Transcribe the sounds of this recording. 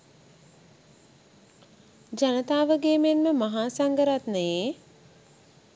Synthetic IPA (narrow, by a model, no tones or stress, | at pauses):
d͡ʒanət̪aːʋəɡeːmenməmaɦaːsaŋɡəɾat̪ne